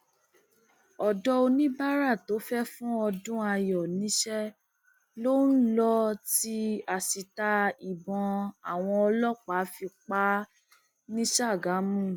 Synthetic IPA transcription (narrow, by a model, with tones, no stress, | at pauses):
ɔ˨dɔ˧o˧nĩ˦ba˦ɾa˦˨to˨˦fɛ˦fũ˦ɔ˧dũ˦a˧jɔ˨nĩ˨˦ʃɛ˦ | lo˦n̩˦lɔ˧ti˦a˨si˨ta˧i˨bɔ̃˧a˨w̃ɔ̃˧ɔ˧lɔ˦k͡pa˨˦fi˧k͡pa˦ | nĩ˦ʃa˦˨ɡa˨˦mũ˦